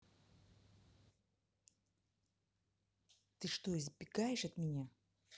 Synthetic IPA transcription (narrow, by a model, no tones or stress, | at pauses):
t̪ɨʂt̪oɪzbʲɪɡajɪʂɐt̪mʲɪnʲa